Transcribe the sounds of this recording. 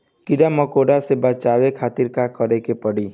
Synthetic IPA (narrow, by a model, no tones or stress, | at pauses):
kiɖamɔkoɖasebat͡ʃawekʰat̪iɾkakɔɾekepɔɽi